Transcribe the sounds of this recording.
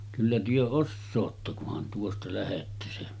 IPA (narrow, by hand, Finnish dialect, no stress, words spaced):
kylːæ tyø osːoːtːɑ kuhɑn tuostɑ læhetːæ se